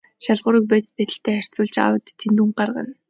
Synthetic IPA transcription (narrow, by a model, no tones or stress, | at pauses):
ʃaɮʁʊ̆ːɾiːk̚pæːt̪ɘ̥̆t̪̚pæt̪ɘ̆ɬt̪ʰæːχær̥ʲt͡sʊːɮt͡ɕa̰wə̆t̪ʰːent̪uɴɢarʁə̰̆n